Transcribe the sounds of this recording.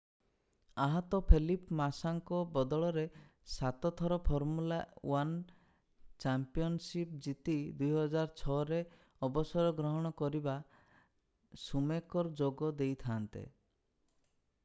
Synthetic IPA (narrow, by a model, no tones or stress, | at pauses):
aɦɔt̪ɔpʰelipmasaŋkɔbɔd̪ɔɭɔɾesat̪ɔt̪ʰɔɾɔpʰɔɾmulawan | t͡ʃampiɔnsipd͡ʒit̪id̪ujɦɔd͡ʒaɾt͡ʃʰɔɾe | ɔbɔsɔɾɔɡɾɔɦɔɽ̃ɔkɔɾiba | sumekɔɾɔd͡ʒoɡɔd̪ejt̪ʰant̪ḛ